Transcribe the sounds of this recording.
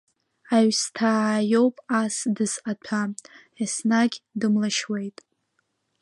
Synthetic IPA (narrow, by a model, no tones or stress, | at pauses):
aɥstʰajowpʼasdɨsqatʰa | isnaɡʲdɨmlaʃwe̞jtʼ